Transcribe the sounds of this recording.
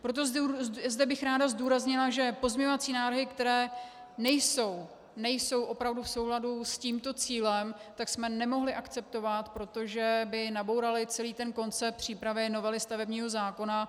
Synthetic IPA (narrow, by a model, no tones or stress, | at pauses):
pɾot̪̬o̞zzdɛbɪxɾaːdazduːɾazɲɪlaʒɛpo̞zmɲɛɲovat͡siːnaːvɾ̩ɦɪkt̪ɛɾɛː | nɛjso̞w | nɛjso̞wʔo̞pɾavdufso̞wɦladusciːmt̪o̞t͡siːlɛmt̪aksmɛnɛmo̞ɦlɪʔakt͡sɛp̚t̪o̞vat̪pɾo̞t̪o̞ʒɛbɪnabo̞wɾalɪt͡sɛliːt̪ɛnko̞nt͡sɛp̚r̝̥iːpɾavɪno̞vɛlɪst̪avɛbɲiːɦo̞zaːko̞na